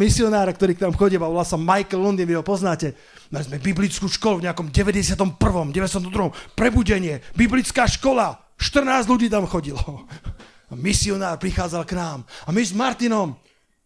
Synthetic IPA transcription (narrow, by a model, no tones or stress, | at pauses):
misiɔnaːɾak̚t̪ɔɾiːknaːmxɔɟiaʋɔlasamajklːɔnd̪iːnʋiɦɔpɔznaːcɛ | najzmɛbiblit͡skuːʃkɔluvɲɛakɔmɟɛʋɛɟɛsɪat̪ɔmpr̩ʋɔmɟɛʋɛst̪ɔmt̪ɔd̪ɾuɦɔmpɾɛbuɟɛɲɪɛbiblit͡skaːʃkɔla | ʃt̪r̩naːzɟʎuɟiːt̪amxɔɟilɔ | amisiɔnaːɾpɾixaːd͡zalknaːmamizmaɾt̪inɔm